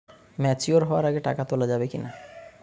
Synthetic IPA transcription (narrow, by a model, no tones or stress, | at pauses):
mɛt͡ɕuoɾɦɔoaɾaɡeʈa̰kat̪olad͡ʑabekina